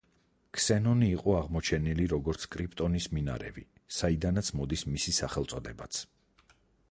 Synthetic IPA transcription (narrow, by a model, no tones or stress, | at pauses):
kʰsɛnɔniːqʼɔaʁmɔt͡ʃʰɛniliɾɔɡɔɾt̪sʰkʼɾipʰʼt̪ʼɔnismina̰ɾɛ̰vi | said̪anat̪sʰmɔd̪ismisisaχɛlˠt̪sʼɔd̪ɛbat̪sʰ